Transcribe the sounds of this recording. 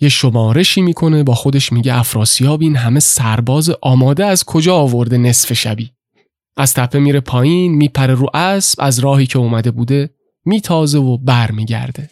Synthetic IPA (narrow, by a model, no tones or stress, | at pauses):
je̞ʃo̞mɒːɾe̞ʃiːmiːkʰo̞ne̞bɒːxo̞d̪e̞ʃmiːɟeʔæfɾɒːsijɒːbiːnɦæme̞sæɾbɒːzeʔɒːmɒːd̪eæz̥kʰo̞d͡ʒɒːvo̞ɾd̪e̞ne̞sfe̞ʃæ̰biː | ʔæz̥t̪ʰæpʰːe̞miːɾe̞pʰɒːjiːnmiːpʰæɾe̞ɾuːʔæsb̥æzɾɒːhiːcʰeuːmæd̪e̞buːd̪e̞ | miːt̪ʰɒːze̞vo̞bæɾmiːɟæ̰ɾd̪̥e̞